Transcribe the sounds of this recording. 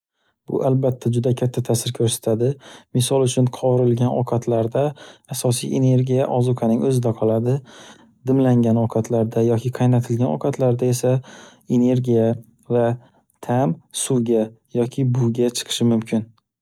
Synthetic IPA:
b̥ʊ̰ʔalbat̪ʰːad͡ʒʊd̪akʲʰat̪ʰːat̪ʰasɪɾkʰɵɾsḁt̪ʰad̪ɪmɪsɒlˠʊt͡ʃʰʊnqʰɒɾɪlɡʲanʔɒ̰qʰɑt̪ʰlaɾd̪aːsɒsije̞ne̞ɾɡʲijaʔɒzʊkʰanɪŋɵzɪd̪aqʰɒlˠad̪ɪ | d̪ɪmlaŋɡʲanoqʰɑt̪ʰlaɾd̪ajɒkʲʰɪqʰɑjnat̪ʰɪlɡʲanɒ̰qʰɑt̪ʰlaɾd̪ae̞sae̞ne̞ɾɡʲija | va | t̪ʰamsuɡʲa | jɒkʲʰɪbʊɡʲat͡ʃʰɨ̥qʰɨ̥ʃɪmʊmkʲʰɪn

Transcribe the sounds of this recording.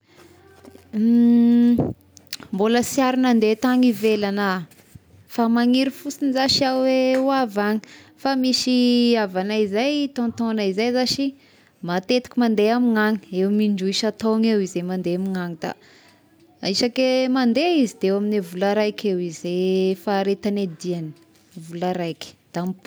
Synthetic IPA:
mboləsiaɾinand̪et̪aŋivelana | famaŋiɾifusinizaʃiaweuavaŋi̥famiʃiavanaizajt̪ont̪onaizajzaʃi | mat̪et̪i̥kʲimand̪eamiŋaŋiewmiɳɖ͡ʐuiʃat̪oŋewizemand̪eamiŋaŋid̪̥a̰ | iʃakemand̪eizid̪̥ewaminevulaɾajkʲʰewizefaːɾet̪aned̪iani̥ | vulaɾajki̥d̪̥amp

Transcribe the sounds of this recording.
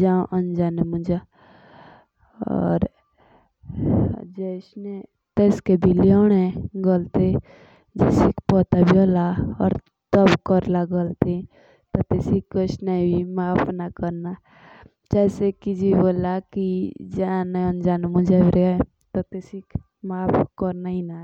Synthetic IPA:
d͡ʒãʔənd͡ʒaːnemũd͡ʒa | ɔ̰ːɾ | d͡ʒɛsne | t̪eːskebʱilioɽeɡəlt̪e | d͡ʒɛ̰sikpɔt̪abʱioːlaɔ̰ːɾ | t̪əbkəɾlaɡəlt̪e | t̪ɔt̪esikəsnebʱimaːpʰnakəɾna | d͡ʒɛːsekid͡ʒiboːlakid͡ʒanend͡ʒaːnmud͡ʒebʱiɾe | t̪ɔt̪esik | maːpkɔɾnaina

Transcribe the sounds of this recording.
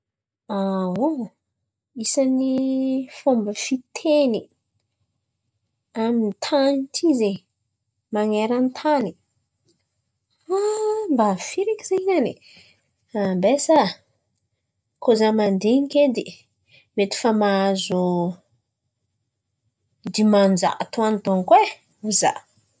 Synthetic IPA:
awo | isənifombəfit̪ʰeni | amint̪ʰanitʰize | maŋeɾant̪ʰani̥ | ambafiɾikizeɲani | ambesa | kozamand̪eŋiked̪i | met̪i̥fəmaazu | d̪imand͡ʒa̰kat̪uanit̪oŋkwe | uza̰

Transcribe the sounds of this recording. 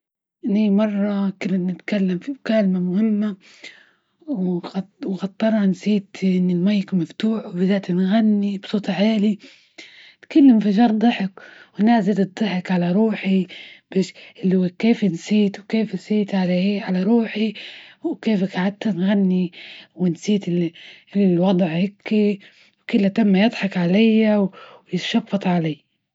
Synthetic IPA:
ʔnimɑrˤːɑkɪlːanɪt̪kalːamfimʊkaːlmamʊhɪmːa | wwxɑt̪ˤːɑɾˤɑnsiːt̪ʔɪnːɪlmajːkmaft̪uːħwbɪzaːt̪nɣanːibsˤuːt̪ˤʕaːli | t̪kalːamfɪʒɑːɾd̪ˤɨħɪkwɪnːaːzɪld̪ˤɑħɪkʕalaɾˤuːħibeʃʔɪlːkeːfnsiːt̪wkeːfsiːt̪ʕalaheːʕalaɾˤuːħiwkeːfkʕad̪̚t̪anɣanːiwɪnsiːt̪ɪ | lwɑd̪ˤʕhɪkːi | wkʊlːat̪amːajɨd̪ˤħɑkʕalajːawjɪt̪ʃɑfːɑt̪ˤʕalaː

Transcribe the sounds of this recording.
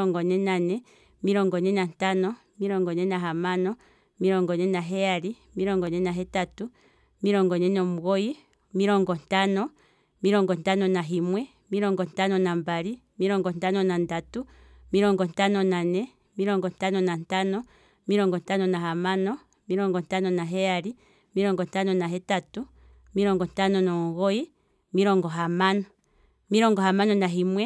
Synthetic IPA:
ɔŋɡɔnɛnanɛ | miɾɔŋɡɔnɛnantanɔ | miɾɔŋɡɔnɛnaɦamanɔ | miɾɔŋɡɔnɛnaɦɛaɾi | miɾɔŋɡɔnɛnaɦɛtatu | miɾɔŋɡɔnɛnɔmuɡɔji | miɾɔŋɡɔntanɔ | miɾɔŋɡɔntanɔnaɦimwɛ | miɾɔŋɡɔntanɔnambaɾi | miɾɔŋɡɔntanɔnandatu | miɾɔŋɡɔntanɔnanɛ | miɾɔŋɡɔntanɔnantanɔ | miɾɔŋɡɔntanɔnaɦamanɔ | miɾɔŋɡɔntanɔnaɦɛjaɾi | miɾɔŋɡɔntanɔnaɦɛtatu | miɾɔŋɡɔntanɔnɔmuɣɔji | miɾɔŋɡɔɦamanɔ | miɾɔŋɡɔhamanɔnaɦimwɛ

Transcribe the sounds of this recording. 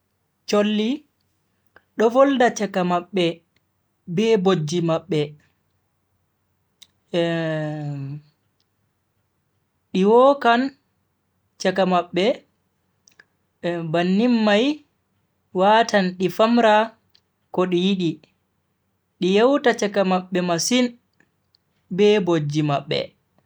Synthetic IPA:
t͡ʃolːi | ɗɔvɔldat͡ʃakamaɓːɛ | bɛbod͡ʒːimaɓːɛ | ɗiwɔkan | t͡ʃakamaɓːɛ | banːimːaj | waːtʰanɗifamɾa | kɔɗijiɗi | ɗijɛwtat͡ʃakamaɓːɛmasin | bɛbod͡ʒːimaɓːɛ̰

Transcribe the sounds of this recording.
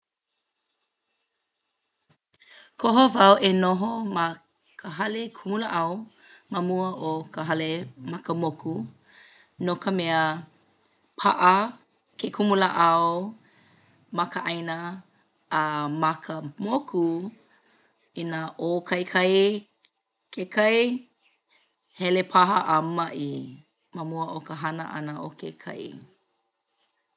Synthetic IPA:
kʰoɦovɐwʔenoɦomɐ | kʰəɦɐlekʰumuləʔɐw | mɐmuəʔokəɦɐlemɐkəmokʰu | nokəmɛə | pʰa̰ʔə | kʰekʰumulaʔawo | mɐkəʔɐjnəː | mɐkʰəmokʰu | inaʔokʰɐjkʰɐj | kʰekʰɐj | hɛlepʰaɦəʔɐmɐʔi | məmuəʔokəɦɐnəʔɐ̰nəʔokekʰɐ̰j̰

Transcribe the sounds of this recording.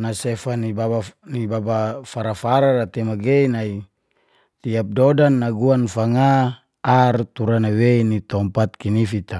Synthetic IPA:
nasefanibabanibabafaɾafaɾarat̪ɛmaɡeinai | t̪iap̚dodanːaɡuanfaŋaː | rt̪uɾanaweinit̪ɔmpat̪̚kinifit̪a

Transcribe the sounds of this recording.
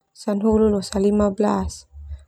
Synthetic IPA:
sanɦululosalimablas

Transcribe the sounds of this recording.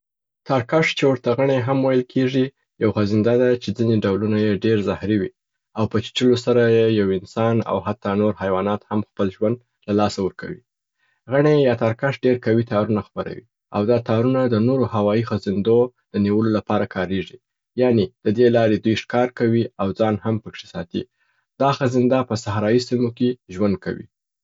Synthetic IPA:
t̪ɑɾkaʂt͡ʃewəɾt̪aɣaɳ̃eɦamwajəlkʰeʐi | jawxazɪnd̪ad̪at͡ʃed͡zineɖawlunajeɖeɾzahɾiwi | awpət͡ʃi̥ʈ͡ʂəlosaɾajejawɪnsɑna̰what̪ːɑnoɾhajwɑnɑt̪hamxpəlʒwand̪ | lalɑsawəɾka̰wḭ | ɣaɳejɑt̪aɾkaʂɖeɾkawit̪ɑɾunaxpəɾa̰wḭ | a̰wd̪ɑt̪ɑɾunad̪ənoɾohawɑixazɪnd̪od̪̥əniwəlolapɑɾakʰɑɾeʐi | jɑned̪̥əd̪elɑɾed̪ujʂkɑɾkawiawd͡zɑnhampəkʂesɑt̪ḭ | d̪̥ɑxazɪnd̪ɑpəsahɾɑjisimokeʒwand̪̚ka̰wḭ

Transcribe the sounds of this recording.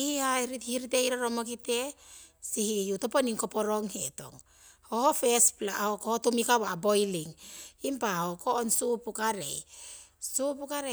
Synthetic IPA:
ihihajɾitihiɾiteiɾaɾomokite̞ | sihijutoponiŋkopoɾoŋheto̞̰ŋ | hohofesplahokohotumikawabo̞jliŋimpahokoːnsupukaɾḛ | supukaɾe

